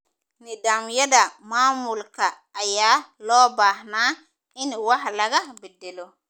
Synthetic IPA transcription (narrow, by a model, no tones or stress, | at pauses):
nidamjadamaːmulkaːjaːlɔːbahna | iniwahlaɡabedelo